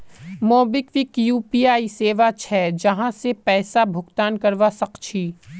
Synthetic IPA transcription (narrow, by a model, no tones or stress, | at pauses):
moːbɪkʋikjuːpiːaːiseːʋat͡ʃʰɛːd͡ʒɐɦãsepɛːsabʱʊɡt̪aːnkɐɾʋasɐqt͡ʃʰiː